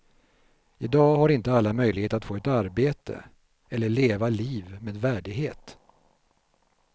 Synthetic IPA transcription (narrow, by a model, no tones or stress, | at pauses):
ɪd̪ɑːhaɾɪnt̪əalːamœjlɪɡheːt̪əɾat̪foːɛt̪aɾbeːt̪ə̰ | ɛlːəɭeːvaliːvmeːd̪væːɖɪɡɦeːt̪